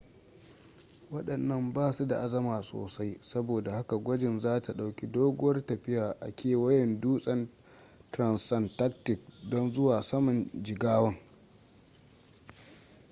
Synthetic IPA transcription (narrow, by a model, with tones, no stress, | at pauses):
wɐ˦ɗɐ˨nːɐ˦mbaː˦˨su˦da˨ʔa˦zɐ˦maː˨so̰ː˨sa˦jsɐ˦boː˨da˨ha˦ka˨ɡʷɐ˦d͡ʒɪ˨nzaː˦ta˨ɗa˨wkʲi˦doː˦ɡʷʊ˦wɐ˦rtɐ˨ɸɪ˦jaː˨ʔa̰˨kʲeː˦˨wɐ˦jɛ˨nduː˦sʼɐ˦n | tɾɐ˨nsɐ˦˨ntɐ˦k̚tɪ˨k̚dɔ˦nzʊ˦waː˨sɐ˦mɐ˨nd͡ʒɪ˨ɡaː˦wɐ˦ŋ